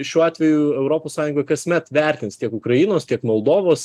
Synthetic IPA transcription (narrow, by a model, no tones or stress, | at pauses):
ʃʲuːɑːt̪ʲʋʲɛjʊɛʊɾoːpoːssɑːjʊŋɡoːjkɐsʲmʲɛt̪ʋʲɛɾʲt̪ʲɪnst̪ʲiɛkʊkɾɐinoːst̪ʲiɛkmolˠd̪oːʋoːs